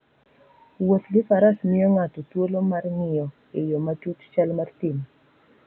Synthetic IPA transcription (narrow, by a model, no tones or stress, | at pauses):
wot̪ɡɪfaɾasmɪɔŋatɔtwolomarŋɪjɔ | ijɔmat͡ʃutt͡ʃalmartim